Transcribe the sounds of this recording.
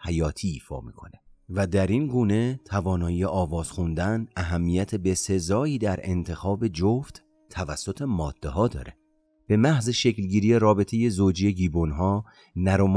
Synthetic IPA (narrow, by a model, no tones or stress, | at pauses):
hæjɒːt̪ʰiːiːfɒ̰ːmḭːkʰo̞nevæd̪æɾinɡuːne̞t̪ʰævɒːnɒːjijeʔɒːvɒːz̥xund̪ænæɦæmːijæt̪ʰebe̞se̞zɒːiːd̪æɾe̞̰nt̪ʰe̞xɒːbe̞d͡ʒoft̪ | t̪ʰːævæsːo̞t̪ʰe̞mɒːd̪̥ːeɦɒːd̪ɒ̰ːɾe | b̥e̞mæhzeʃeclɟiːɾije̞ɾɒːbe̞t̪ʰe̞je̞zoːd͡ʒije̞ɟiːbonɦɒː | næɾom